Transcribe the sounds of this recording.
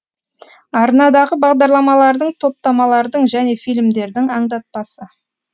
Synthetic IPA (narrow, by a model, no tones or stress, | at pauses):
ɑɾnɑd̪ɑʁəbɑʁd̪ɑɾlˠɑmɑlˠɑɾd̪əɴt̪ʰo̞p̚t̪ɑmɑlˠɑɾd̪əɴʒæne̞fijlʲmd̪e̞ɾd̪ɪŋɑɴd̪ɑt̪̚pɑsə